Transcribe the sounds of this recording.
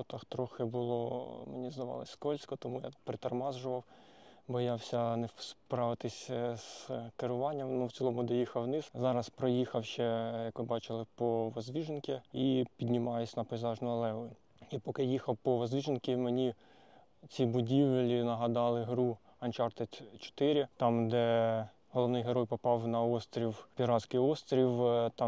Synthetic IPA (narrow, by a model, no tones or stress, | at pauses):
t̪ɑxt̪ɾɔxɪbʊlˠɔmenʲizd̪ɐʋɑ̰lˠɐ̰sʲkɔlʲsʲkɔt̪ɔmuja̰pɾɪt̪ɐrmɑzʒʊʋɐwbɔjɑwsʲɐnɛspɾɑʋɪt̪ɪsʲskɪɾʊʋɑnʲːɐmnuwt͡sʲilˠɔmʊd̪ɔjixɐwnɪszɑɾɐspɾɔjixɐwʃt͡ʃɛjɐkmɪbɑt͡ʃɪlˠɪpɔʋɐzʲʋʲiʒenʲkʲɪipʲid̪ʲnʲɪmɑjɪsʲnɐpɔjzɑʒnʊɐlˠɛʋɔ | ipɔkɪjixɐwpɔʋɐzʲʋʲiʒenʲkɪmenʲi | t͡sʲibʊdʲiʋlʲinɐɦɐd̪ɑlˠɪɦɾu | ɐnʲt͡ʃɑrt̪et̪ʲt͡ʃɔ̥t̪ɪɾʲit̪ɑmd̪ɛ | ɦɔlˠɔʋnɪjɦeɾɔjpɔpɑwnɐɔst̪ɾʲiwpʲiɾɑsʲkɪjɔst̪ɾʲiwt̪ɑ